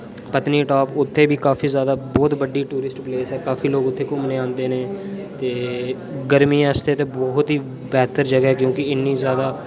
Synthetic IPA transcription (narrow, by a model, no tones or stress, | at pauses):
pət̪niːʈaːpʊt̪ʰːeːbiːkaːfʰiːzjaːd̪aːbɔːt̪bəɖiːʈuːɾɪsʈpleːsɛːkaːfʰiːloːkʊt̪ʰːeːkʊmneːãːnd̪eːneːt̪eː | ɡəɾmĩːast̪eːt̪eːbɔːt̪ɦiː | bɛːt̪əɾd͡ʒəɡɦɛːkjõːkɪɪnːiːzjaːd̪aː